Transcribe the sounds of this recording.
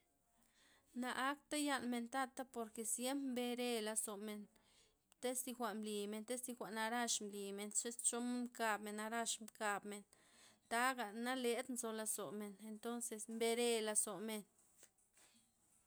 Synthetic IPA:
na˧ʔa˦kt̪a˦ja˦˧nme˧nt̪a˦t̪a˦po˨ɾke˧sje˦mpmbe˧ɾe˧la˧so˨me˨n | t̪e˦st̪i˧xʷa˨ʔmli˨me˨nt̪e˦si˧xʷa˨ʔna˧ɾa˦ʂmli˨me˨nt͡ʃe˦st͡ʃo˦m˦mka˧bme˨na˧ɾa˦˧ʂmka˧bme˨n | t̪a˦ɡa˨na˦le˧d̪nzo˧la˧so˨me˨ne˧nt̪o˦nse˧smbe˧ɾe˧la˧so˨me˨n

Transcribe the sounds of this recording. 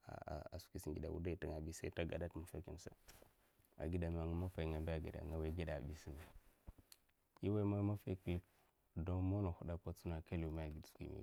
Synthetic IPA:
a̰˨a̰˨a˨su̥˨˦ki˨si˨ŋɡi˨da̰˨wṵ˦da˦i˨ti˦˨ŋa˨bi˦sa˦i˦ta˦ɡa̰˨da˦tmu˨fa˦ki˦m˨sa̰˦ | a̰˨ɡi˦da˨m˨a˨ŋa˦ma˦fa˨i˨ŋa˨mba˦a˨ɡḭ˨da̰˨ŋa˨wa˨˦ɡi˦da̰˨bi˦si˦ni˨ | i˦wa˦ma˦ma˦fa˦kə˦lə˦k | do˦mo˦na˨hu˦da˨pa˦t͡su˦na˨ka˦li˨ma˦a˨ɡi˨dsu̥˨kḭ˨mḭ˦˨

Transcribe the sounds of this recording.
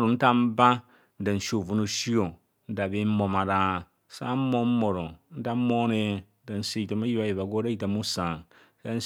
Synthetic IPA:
ɾu˨n̩˦ta˦m̩˦ba˦ | n̩˦da˨n̩˨ʃo˨vu˨nu˨ʃi˦o˨ | n̩˦da˨bi˦mo˨ma˨ɾa˦ | sa̰˦mo˦m˦mo˨ɾo˨n̩˦ta˦mo˦ne˦ | da˨n̩˨si˦ji˨ta˨ma˦ji˦a˦je˨ba˨ɡo˦da˦i˨ta˨mu˦sa˨ŋ | sa˦n̩˦

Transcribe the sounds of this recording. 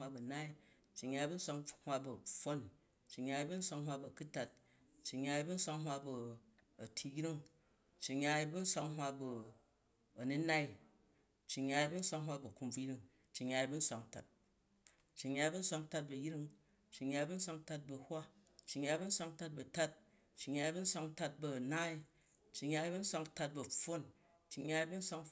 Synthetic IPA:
wa˧bɐ˨na˦i˦ | t͡ʃːi˨ɲːa˧i˦bu˦n̩˦sʷa˧ŋhʷa˧bu˨fo˦n | t͡ʃːi˨ɲːa˧i˦bu˦n̩˦sʷa˧ŋhwa˧bɐ˨ku˦ta˨t̚ | t͡ʃːi˨ɲa˧i˧˦bu˦n̩˦sʷa˧ŋɦʷa˧bɐ˧ | ɐ˨tʰi˧jɾi˦ŋ | t͡ʃːi˨ɲa˧i˦bu˦n̩˦sʷa˧ŋɦwa˧bu˧ | ɐ˨nu˦na˦i˦ | t͡ʃːi˨ɲa˧i˦bu˦n̩˦sʷa˧ŋɦwa˧bu˨ku˧mb͡vu˦ɾi˦ŋ | t͡ʃːi˨ɲʲa˧i˧bu˦n̩˦sʷa˨ŋ˨ta̰˨t̚ | t͡ʃːi˨ɲːa˧i˦bu˦n̩˦sʷa˧ŋ˧ta˧t̚bɐ˨jɾi˦ŋ | t͡ʃːi˨ɲːa˧i˦bu˦n̩˦sʷa˧ŋ˦ta˧t̚bɐ˧˨hʷa˦t͡ʃːi˨ɲːa˧i˦bu˦n̩˦sʷa˧ŋ˦ta˧t̚bɐ˨ta˦t̚ | t͡ʃːi˨ɲa˧i˦bu˦n̩˦sʷa˧ŋta˧t̚bɐ˧˨naː˦i˦ | t͡ʃːi˨ɲa˧i˦bu˦n̩˦sʷa˧ŋ˧ta˧t̚bɐ˨ɸo˦n | t͡ʃːi˨ɲa˧i˧˦bu˦n̩˦sʷa˧ŋ

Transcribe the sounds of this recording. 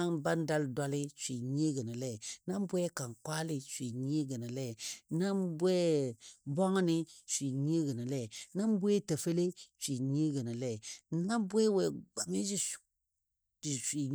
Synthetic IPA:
a˦nba˦n˦da˦lda˦lɪ˦sʷi˨ɲ˦e˦ɡə˨ni˨lɛ˦˨na˦m˦bwɛ˦ka˨ŋkwa˦lɪ˦sʷi˨ɲ˦e˦ɡə˨ni˨lɛ˦˨na˦mbwɛ˦bɔ˦ŋ˦nɪ˦sʷi˨ɲ˦e˦ɡə˨ni˨lɛ˦˨na˦m˦bwɛ˦ta˨fe˦le˦t͡ʃi˨ɲ˦e˦ɡə˨ni˨lɛ˦˨na˦bwɛ˦wɛ˨ɡ͡ba˨mi˦d͡ʒi˦˨ | i˨si˨

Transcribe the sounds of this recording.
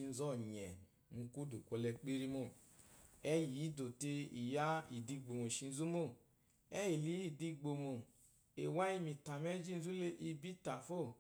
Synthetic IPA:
i˧n̩˧˦zɔ˦˨ɲɛ˨ | mũ˧ku˦du˨kʷo˧lɛ˧k͡pe˦ɾi˦mo˦˨ | ɛ˦ji˨˦do˨te˧i˨ja˦i˨di˧ɡ͡bo˨mo˨ʃi˧n̩˦zu˦mo˦˨ | ɛ˦ji˨li˨˦i˨di˧ɡ͡bo˧mo˨ | e˨wa˦i˧mi˧ta˨mɛ˦d͡ʒi˦n̩˦zu˦le˦ʔi˧bi˦ta˨fo˦˨

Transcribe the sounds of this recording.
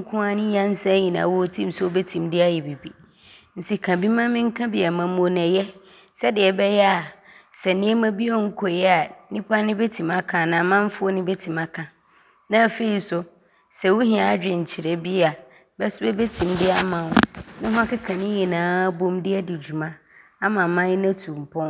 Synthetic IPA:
ŋ̩˦kʰʊ̃˦a˦nɪ̃˦jã˦n̩˦sã˦ɲĩ˨nã̰˨wɔ˦tʰĩ˦m˦sɛ˦o˦bɛ˦tʰĩ˨mdɪ˦a˦jɛ˨bi˨bi˨ | n̩˨si˨kʰã˨bi˦mã˦mɪ̃˦ŋ̩˦kʰã˦bɪ˨a˨mã˨m˦o˦nɛ̃˨jɛ˦ | sɛ˦dɪ˨ɛ˨bɛ˦jɛ˦a˨ | sɛ˨nɪ̃˨˦ɛ˦mã˦bi˦ɔ˦ŋ̩˦kʰo˨jɛ˦a˨nĩ˦pʰa˦nɪ̃˦be˦tʰĩ˨ma˦kʰã˨nã˨mã˦m˦fʊ˦ɔ˦nɪ̃˦bɛ˦tʰĩ˨ma˦kʰã˨ | nã˦˨fe˨i˨sʊ˨ | sɛ˨wʊ˦ɦĩ˨a˨˦d͡ʑᶣɪ̃˨ɲ̩˨t͡ɕʰɪ˨ɾɛ˦bi˦a˨ | bɛ˦sʊ˦bɛ˦be˦tʰĩ˨mdɪ˦a˦mã˨wʊ̃˦nɪ̃˦ɦʊ̃˦a˦kɪ˦kʰã˨nɪ̃˦jɛ˨nãː˨˦bõ˦mdɪ˦ɛ˦dɪ˨d͡ʑu˨mã˦ | a˦mã˨mã˦jɪ˦nã˦tʰu˨m̩˨pʰɔ̃˦

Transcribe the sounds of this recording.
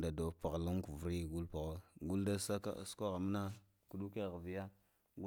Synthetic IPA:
da˨do˨pa˨ɣla˦ŋku˨vɾi˦˨ɡu˦lpa˨ɣo˦ɡu˦lda˦sa˦a̰˦˨sko˦ɣa˨m˦na˦ | ku˨du˦ke˦˨ɣa˨vi˨ja˦ | ɡu˦

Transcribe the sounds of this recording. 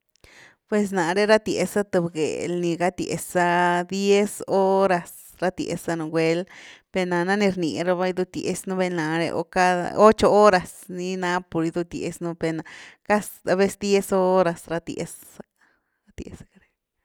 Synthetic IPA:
pwe˨s̬na˨ɾe˦ɾa˦t̪je˨sa˦t̪ɨ˧˨bɡḛ˨lni˧ɡa˦t̪jḛ˨sa˧d̪je˦so˦ɾa˧s | ɾa˦t̪jḛ˨sa˧no˧ɡʷe˧lpe˧na˨na˦ni˧ɾni˨ɾa˧ba˦i˧˦d̪u˧t̪jḛ˧snu˦be˧na˨ɾḛ˧ʔo̰˧ka˦a̰˧o˦t͡ʃo˧o˦ɾa˨sni˧na˧˦po˨ɾi˧d̪u˧t̪jḛ˧snu˧be˧na˧ka˦sa˧be˦sd̪je˦so˦ɾa˨sɾa˧t̪jḛ˧s | a | a˦t̪jḛ˨sḁ˦ka˧ɾe˦

